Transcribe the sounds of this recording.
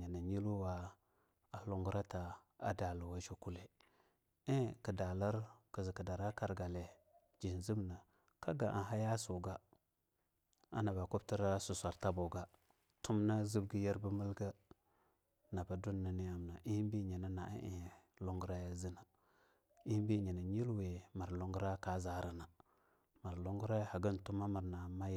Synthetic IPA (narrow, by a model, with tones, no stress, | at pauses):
a˨na˨ɲi˦lu˦wa˦ | a˨lu˨ŋɡu˦ɾa˦ta˨ | a̰˨da˨lu˨wa˦ʃo˦ku˦le˦ | e˦ki˨da˨la˦ɾki˨zi˨ki˨da˨ɾa˦ka˨ɾɡa˨le˨ | d͡ʒi˨nzi˦bna˨ | ka˦ɡa˨ʔa̰˨ɦa˦ja˦su˨ɡa˦ | a̰˦na˨ba˨ku˦bti˦ɾa˦su˨sʷa˨ɾta˦bo˨ɡa˦ | tu˦mna˦zi˦bɡi˦ja˦ɾbə˦mə˦lɡa˦ | na˨ba˨du˦nːa˨ni˦a˦mna˨ʔi˦hi˦bi˦ɲi˨na˦na˨ʔḭ˦ʔḭ˨lo˦ŋɡɾa˦ja˦zi˦na˨ | i˦hbi˦˨ɲi˨na˨ɲi˦lwe˨ma˨ɾlo˦ŋɡu˦ɾa˦ka˦za˦ɾa˨na˨ | ma˨ɾlo˦ŋɡu˦ɾa˦ja˦ha˨ɡə˦n˨tu˦ma˦ma˨ɾna˨ma˦j